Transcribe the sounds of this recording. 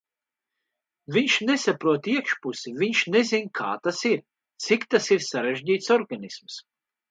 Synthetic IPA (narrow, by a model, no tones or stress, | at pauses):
viɲʃnesapɾuɔt̪iɛkʃpusiviɲʃnezinkʰaːt̪asiɾ | t̪sikt̪asiɾsaɾeʒɟiːt̪sɔɾɡanisms